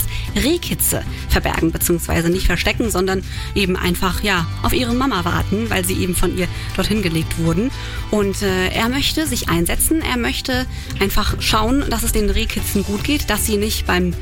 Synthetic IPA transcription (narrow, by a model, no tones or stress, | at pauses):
sʁeːkʰɪt͡sə̰ | fɛɐbɛ̰ɐɡŋ̩bət͡siːʊŋsv̥a̰ɪzənɪçtfɛɐʃtɛkŋ̩zɔndɐn | ʔeːbm̩ʔa̰ɪnfaχjaːʔaʊfʔiːʁ̞əmamava̰ɐtn̩vaɪlziːʔḛːbm̩fɔnʔiːɐ | d̥ɔɐthɪnɡəleːk̚tv̥ʊɐdn̩ | ʔʊntɛːʔḛːɐmœçtəzɪçʔa̰ɪnzɛt͡sn̩ʔḛːɐmœçtə | ʔaɪnfaχʃaʊənd̥asɛsd̥eːnʁeːkʰɪt͡sn̩ɡuːtɡ̥eːtd̥asz̥iːnɪçtb̥aɪm